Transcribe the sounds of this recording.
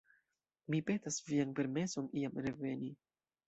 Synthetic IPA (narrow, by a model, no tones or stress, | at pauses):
mipe̞tasvianpe̞ɾme̞so̞niamɾe̞ve̞ni